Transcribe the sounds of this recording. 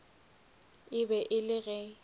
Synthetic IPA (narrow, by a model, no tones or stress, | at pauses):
ɪbɛʔɪlɪɣɛ